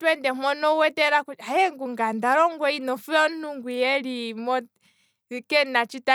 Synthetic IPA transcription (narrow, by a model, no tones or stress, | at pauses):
twɛndɛmɔnɔwɛtɛɾakuajɛŋɡuŋɡandaɾɔŋɡwɔinɔfuɔnuŋɡujɛlimɔ | kɛnat͡ʃita